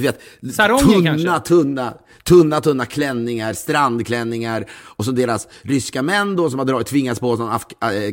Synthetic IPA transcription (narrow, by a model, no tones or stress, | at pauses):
d̪ɵveːt̪saɾɔɵaːat̪ʰɵnːa | t̪ʰɵnːat̪ʰɵnːakʰlɛnːɪŋaɾst̪ɾand̪kʰlɛnːɪŋaɾɔs̬ɔmd̪eːɾasɾʏskamɛnːd̪ɔsɔmhad̪ɾɑːt̪ʰvɪŋːat̪spɔsɔnaf